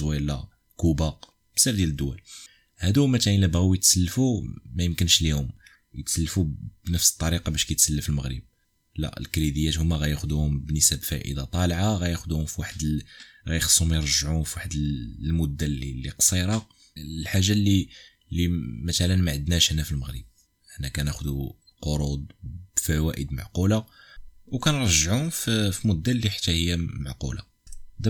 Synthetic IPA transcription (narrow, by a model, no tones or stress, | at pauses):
wilːa | kubɑq | bsiɾd̪jæləd̪ːʊwæl | hæd̪umæt̪ʕinəbɣuwjət̪səlːfumæjəmkənʃlihʊm | jət̪səlːfubnəfsə̥t̪ˤːɑɾiqɑbæʃkæjt̪səlːəfəlməɣɾə̰b̚ | lːæ̰ʔlkɾid̪əjːæt̪hʊmːæɣæjæxd̪uhʊmbənəsæbfæʔə̰d̪ɑt̪ˤɑlʕaɣæjæxd̪uhʊmfiwaħəd̪ɣæjxsˤːʊmjɾˤəʒʕumfiwaħəd̪əllmʊd̪ːælilːiqsˤiɾˤɑ | lħaʒːalːi | lːimæt̪ælənmaʕəd̪næʃnæfilməɣɾə̰b̚ | əħnːækænæxd̪u | qoɾˤud̪̚b̥fæwæʔəd̪ma̰ʕqulawkænɾˤɑʒːʕuʊmffimud̪ːælːiħḁt̪ːæhəjːæmaʕqṵla̰ | d̪